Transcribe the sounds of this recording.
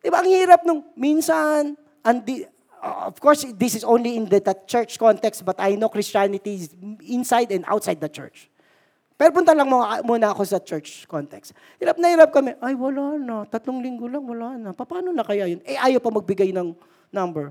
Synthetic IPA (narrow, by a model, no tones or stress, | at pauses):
d̪̥ɪbaʔɐŋhiːɾɐp̚nʊŋminsɐn | ʔɐnd̪i | o̰fkoɹsd̪ɪsɪsownliɪnd̪ɐd̪ɐt͡ʃɛɹt͡ʃkont̪ɛkst̪bɐt̪ɐjnowkɾɪst͡ʃanɪt̪isɪnsajd̪ɛ̃nd̪ʔa̰wt̪sajd̪̚ːɐt͡ʃɛ̰ɹt͡ʃ | pɛːɾopʊnt̪ɐlɐŋmomuːnɐɐko̞sɐt͡ʃɛɹt͡ʃkont̪ɛkst̪ | hiːɾap̚nɐhiːɾɐp̚kɐmɛʔajwɐlaːnɐt̪ɐt̪loŋlɪŋɡolɐŋwɐlaːnɐpɐpaːnonɐkɐjajonɛʔaːjɐwpɐmɐɡ̚bɪɡajnɐŋ | nɐmbɛɹ